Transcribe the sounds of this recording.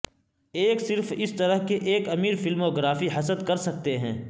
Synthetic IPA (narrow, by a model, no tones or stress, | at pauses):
eːksɪɾfɪst̪ɐɾəɦkeʔeːkɐmiːɾfɪlmoːɡɾaːfiɦɐsəd̪kɐɾsɐk̚t̪eɦɛ̰̃ː